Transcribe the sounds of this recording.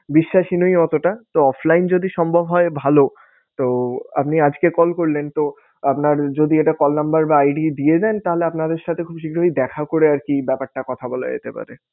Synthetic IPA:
biʃːaʃinojɔt̪oʈat̪oɔfʰlajnd͡ʑod̪iʃɔmbʱobʱɦɔebʱalo | t̪oa̰pniad͡ʑkekɔlkoɾlent̪o | apnaɾd͡ʑod̪ieʈakɔlnambaɾbaajɖid̪ied͡ʑaent̪aɦoleapnad̪eɾʃat̪ʰekʰubʃikɾoɦid̪ɛkʰakoɾeaɾkibɛpaɾʈakɔt̪ʰabɔla̰ḛt̪epa̰ɾe

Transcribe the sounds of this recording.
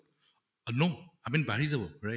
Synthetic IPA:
noamĩnbaɹizabɔɹa

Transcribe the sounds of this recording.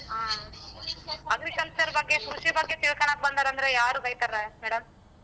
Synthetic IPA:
ɦaː | ɐɡɾikɐɭsɐɾbɐɡːekʰuʂibɐɡːet̪iɭkɐɳak̪̚bɐnd̪aːɾɐnd̪ɐɾejaːɾuːɡɐjt̪aɾemɛːɽɐm

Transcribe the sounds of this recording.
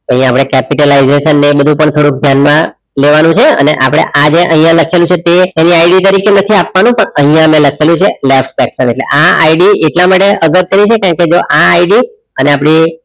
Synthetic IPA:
t̪ə̃ɦĩjãːpɽ̃ekɛpiʈəlaizeʃənːebəd̪ʱũpəɳt̪ʰoɽuk̚d̪ʱjanmã | leʋanũt͡ʃʰeə̰nḛʔapɽ̃ḛʔad͡ʒeʔəɦĩjãləkʰelũt͡ʃʰet̪eeniaiɖit̪əɾikenət̪ʰiapʋanũpəɳəɦĩjãmẽləkʰelũt͡ʃʰelefʈsɛksəneʈlḛʔaa̰iɖieʈlamaʈeəɡət̪ːənĩt͡ʃʰekaɳked͡ʒoʔaːiɖi | əneapɽ̃i

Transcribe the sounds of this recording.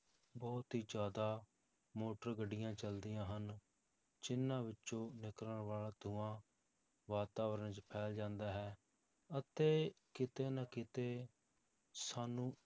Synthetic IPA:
bɔːt̪ɦiːd͡ʒaːd̪aː | moːʈəɾɡəɖɪjãːt͡ʃəld̪ɪjãːɦən | t͡ʃɪnːãːʋɪtːʃõːnɪkəɾəəɾʋaːlaːt̪ʰʊãː | ʋaːt̪aːʋəɾənt͡ʃpʰɛːld͡ʒãːnd̪aːɦɛː | ət̪eːkɪt̪eːnakɪt̪eː | saːnũː

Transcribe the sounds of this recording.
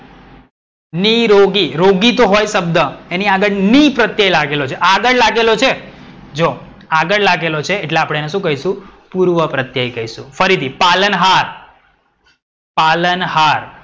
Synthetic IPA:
niɾoɡiɾoɡit̪oɦojʃəbd̪ʱəeniaɡəɭnipɾət̪jajlaɡelot͡ʃʰeʔaɡəɭlaɡelot͡ʃʰe | d͡ʒo | aɡəɭlaɡelot͡ʃʰeːʈleapɽ̃eeneʃũkəɦiʃũpuɾʋəpɾət̪jajkəɦiʃṵ̃fəɾit̪ʰipalənɦaɾ | palənhaɾ

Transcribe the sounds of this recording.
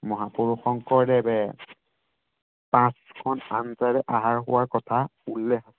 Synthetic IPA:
mɔɦapuɹuxɔŋkɔɹdɛbɛ | pãskʰɔna̰nzaɹɛʔaɦaɹɦʊ̰waɹkɔtʰaulːɛxasɛ

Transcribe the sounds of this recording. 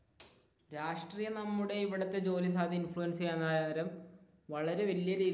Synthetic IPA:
ɾaːʂʈriːjɐnɐmːuɽe̞iʋiɽɐt̪ːe̞d͡ʑo̞ːlis̬aːd̪ʱiinfɭujɐnsɐjaːnːajad̪ɐɾɐm | ʋɐɭɐɾe̞ʋɐlijɐɾiːð

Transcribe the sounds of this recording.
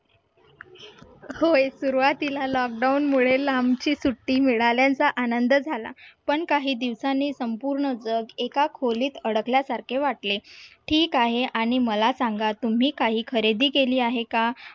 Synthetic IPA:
hojsuɾuʋat̪ilalɔk̚ɖaunmuɭelamt͡ɕiːsuʈːiːmiɭaljãnt͡saʔanənd̪əd͡zʱala̰pəɳkaɦiːd̪iʋsanːiːsəmpuɾɳəd͡zəɡekakʰoliːt̪əɽəkljasaɾkʰeʋaʈleʈʰiːkaɦeʔaɽ̃iməlasaŋɡat̪um̤iːkaɦiːkʰəɾed̪iːkeliːaɦeka

